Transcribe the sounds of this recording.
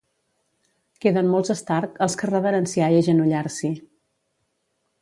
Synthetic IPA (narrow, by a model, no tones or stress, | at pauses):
keðənmolˠzəst̪aɾkəlˠskərəβəɾənsiaiəʒənuʎarsi